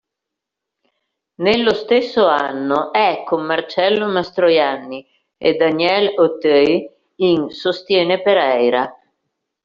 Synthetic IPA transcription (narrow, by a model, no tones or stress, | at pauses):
nelːost̪esːoanːoʔɛkːomːart͡ʃɛlːomast̪ɾojanːi | ḛd̪anjɛlot̪ɛj | iŋsost̪jɛːnepeɾɛjɾa